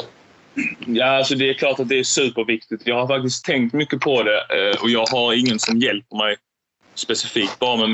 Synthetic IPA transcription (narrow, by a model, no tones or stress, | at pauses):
jaːalsɔd̪ɛːɾkʰlɑːʈat̪̚d̪ɛæʂʉ̟ːpəɾvɪk̚t̪ɪt̪jɑːɡhaɾfak̚t̪ɪskt̪ʰːɛŋkt̪mʏkːəpʰɔd̪ɛɔjɑːɡɦaɾɪŋːənsɔmjɛlpəɾmɛj | spɛsɪfiːk̚t̪̚bɑːɾamɛm